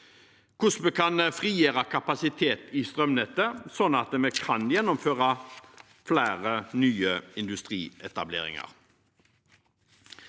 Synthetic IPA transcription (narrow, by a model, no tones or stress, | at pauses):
kʰʊsməkʰɑnfʁiːjeːɾɑkʰɑpɑsɪt̪ʰeːt̪ɪst̪ʁœmnɛt̪ːəsɔnːɑt̪mɛkʰɑnjɛnːɔmføːʁɑ | flæːʁənyːəɪnd̪ʉst̪ʁḭːɛt̪ɑblḛːʁɪ̰ŋɑ̰ʁ